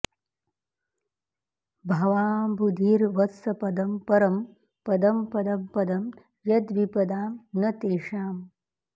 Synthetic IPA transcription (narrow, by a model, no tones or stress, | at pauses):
bʱɐʋaːmbud̪ʱiːɾʋɐt̪sɐpɐd̪ɐmpɐɾɐm | pɐd̪ɐmpɐd̪ɐmpɐd̪ɐm | jɐd̪ʋipɐd̪aːmnɐt̪eːʂaːm